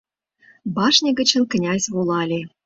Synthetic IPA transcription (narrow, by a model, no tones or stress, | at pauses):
bɑʂnʲĕɡə̆t͡ɕə̆nk̆nʲɑsʲβolˠɑlʲe